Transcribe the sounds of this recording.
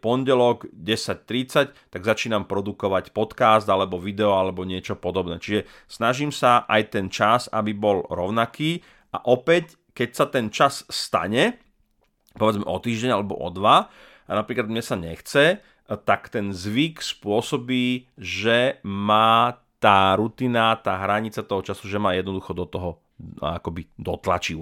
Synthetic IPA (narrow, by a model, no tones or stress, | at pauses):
pɔnɟɛlɔɡɟɛsac̚t̪ɾit͡sact̪aɡzat͡ʃiːnampɾɔd̪ukɔʋacpɔt̪kaːzd̪alɛbɔʋid̪ɛɔalɛbɔɲɪɛt͡ʃɔpɔd̪ɔbnɛ̰ːt͡ʃiʒɛ | snaʒimsaʔajt̪ɛnt͡ʃaza̰bibɔlɾɔʊnakiː | ʔaʔɔpɛc | kɛcsat̪ɛnt͡ʃassːt̪a̰ɲɛ | pɔʋɛd͡zmɛ̰ʔɔt̪iːʒɟɛɲalɛbɔ̰ʔɔ̰d̪ʋa | anapɾiːklad̪mɲɛsaɲɛxt͡sɛ | t̪akt̪ɛnzʋikspʊɔsɔbiːʒɛmaːt̪aːɾut̪iːnat̪aːɦɾaɲit͡sat̪ɔɦɔt͡ʃasuʒɛmaːjɛd̪nɔd̪uxɔd̪ɔt̪ɔɦɔ | a̰kɔbid̪ɔt̪la̰t͡ʃi